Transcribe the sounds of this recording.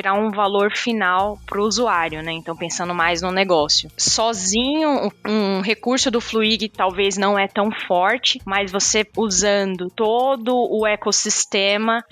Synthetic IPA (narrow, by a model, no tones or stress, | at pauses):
iɾaũvaloɾfinawpɾʊuzuaɾjʊnɛẽnt̪ɐ̃w̃pẽsɐ̃nd̪ʊmajznʊneɡɔsjʊsɔzĩɲʊũɦekuɾsʊd̪ʊfluiɡɪt̪awveznɐ̃w̃ɛt̪ɐ̃w̃fɔɾt͡ʃɪmazvoseuzɐ̃nd̪ʊt̪od̪ʊʊekosist̪ẽmɐ